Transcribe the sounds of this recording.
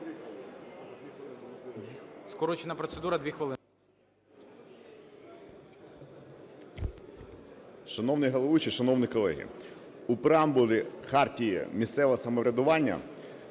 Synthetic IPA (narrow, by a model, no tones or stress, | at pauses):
skɔɾɔt͡ʃenɐpɾɔt̪sed̪uɾɐd̪ʋʲixʋɐlˠɪ | ʃɐnɔwnɪjɦɐlˠɔʋut͡ʃiʃɐnɔwnɪkɔlˠɛ̰ɦʲḭ | upɾɐmbʊlʲixɑrtʲijḭmʲist̪sɛʋɐsɐmɔʋɾʲɐd̪ʊʋɑnʲːɐ̰